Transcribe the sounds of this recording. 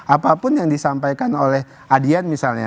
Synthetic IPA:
ʔapapʊnjaŋdisampajkanolɛh | adianmisalɲa̰

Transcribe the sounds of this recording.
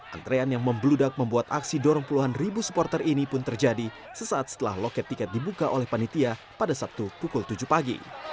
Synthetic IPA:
ʔa̰nt̪ɾeanjaŋməmbludak̚məmbuat̪a̰ksidɔɾɔŋpuluɦanribusu̥pɔrt̪ərinipʊnt̪ərd͡ʒadi | səsaːt̪sə̥t̪əla̰hlokɛt̪ːikɛt̪̚dibukaʔolɛhpanit̪ia | padasap̚t̪upukult̪ud͡ʒupaɡḭ

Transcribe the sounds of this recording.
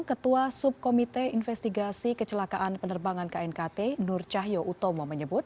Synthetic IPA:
ŋkət̪uasup̚komit̪einfɛst̪iɡasikət͡ʃəlakaʔanpənərbaŋankaɛnkat̪enʊrt͡ʃaɦjoʔut̪omɔməɲəbʊt̪̚

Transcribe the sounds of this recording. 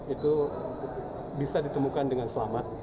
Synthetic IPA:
it̪u | bisadit̪əmukandəŋanslamat̪̚

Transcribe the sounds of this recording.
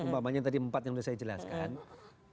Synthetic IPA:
əmbamaɲat̪adiəmpat̪̚jaŋdisajad͡ʒəla̰skan

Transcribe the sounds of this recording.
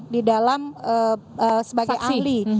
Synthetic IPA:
didalamə | əsəbaɡajʔali

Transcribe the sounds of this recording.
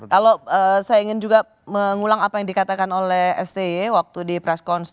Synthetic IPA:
kaloəːsajaiŋɪnd͡ʒuɡa | məŋulaŋapajaŋdikat̪akanolɛhɛ̰st̪eewak̚t̪udipɾɛskɔns

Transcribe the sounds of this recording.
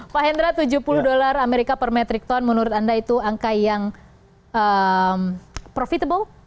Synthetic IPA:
paɦɛnd̪ɾat̪ud͡ʒuhpuluhdolarameɾikapərmɛt̪ɾik̚t̪ɔnmənuɾʊt̪andait̪uaŋkajaŋ | əmpɾofit̪abəl

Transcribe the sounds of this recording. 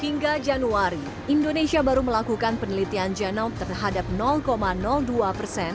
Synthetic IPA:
hiŋɡad͡ʒanuaɾi | ʔindonesiabaɾuməlakukanpənəlit̪iand͡ʒɛnawt̪ərɦadap̚nɔlkomanɔlduapərsɛn

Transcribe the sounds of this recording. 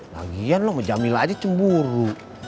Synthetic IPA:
la̰ɡianlɔməd͡ʒamilad͡ʒat͡ʃəmbuɾu

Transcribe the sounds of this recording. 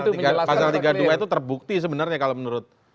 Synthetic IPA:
ɡapasalt̪iɡaduait̪ut̪ərbuk̚t̪is̬əbənərɲakalomənuɾʊt̪̚

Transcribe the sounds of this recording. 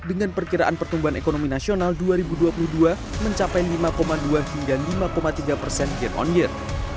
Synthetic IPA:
dəŋanpərkiɾaʔanpərt̪umbuɦanḛkonominasionalduaɾibuduapuluhdua | məɲt͡ʃapajlimakomaduahiŋɡalimakomat̪iɡapərsɛnɡɛrɔ̰njər

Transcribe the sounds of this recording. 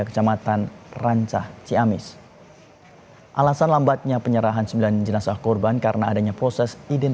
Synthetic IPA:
akə̥t͡ʃamat̪anraɲt͡ʃaht͡ʃiamɪs | ʔalasanlambat̪̚ɲapəɲəɾaɦansəmbiland͡ʒənasahkɔrbankaɾənaːdaɲapɾɔsɛsidɛn

